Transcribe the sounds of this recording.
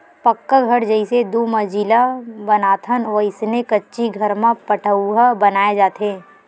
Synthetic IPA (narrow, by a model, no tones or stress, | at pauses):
pəkːaɡʱɐɽd͡ʒɐɪsed̪uːməd͡ʒiːlabɐnaːt̪ʰənʋəɪsnekɐtːʃiɡʱəɾmãpəʈʰəuɦabɐnaːed͡ʒaːt̪ʰeː